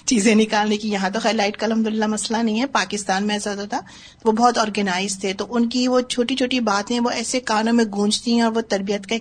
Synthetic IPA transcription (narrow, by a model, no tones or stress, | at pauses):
t͡ʃiːzẽnɪkaːlleːkɪnjɐɦãt̪̬oxɛːɾlaːɪʈkaɐlɦɐmd̪ʊlɪlːamɐslanɐɦĩɦɛpaːkɪst̪aːnmẽɛːzəd̪ɦoːt̪aː | ʋobɔːt̪ɔːɾɡənaːɪzt̪ʰet̪oʔʊnkiʋot͡ʃʰoːʈit͡ʃʰoːʈibaːt̪ɦɛ̃ʋoɛːsekaːnõmẽɡʱũːd͡ʒt̪iɦɛ̃ɔːɾʋot̪ɐɾbijət̪ka